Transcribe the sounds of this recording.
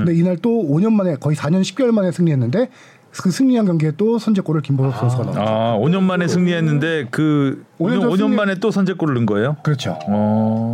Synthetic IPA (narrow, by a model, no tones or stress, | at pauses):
ɯndeinaɭt͈ooɲʌnmane̞kʌisʰaɲʌnɕʰi̥p̚k͈jʌɭmane̞sʰɯŋɲiɦe̞nːɯnde̞ | kɯsʰɯŋɲiɦanɡwaŋɡeet͈osʰʌnd͡ʑe̞k͈oɾɯɭkimboɾosuosʰɯɡana̰aoɲʌnmane̞sʰɯŋɲiɦenːɯnde̞kɯooɲʌnmane̞t͈osʰʌnd͡ʑek͈oɾɯɭːɯŋɡʌejokɯɾʌt͡ɕʰo̰